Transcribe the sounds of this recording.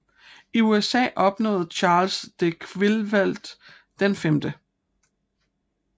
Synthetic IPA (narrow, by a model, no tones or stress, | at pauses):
iuesɛ̰ːʔɒ̽b̥nɔ̰̽ːð̩ˠt͡ɕʰɑ̈ːlsd̥ekʰʋelʋæl̰d̥ | d̥enfemd̥ə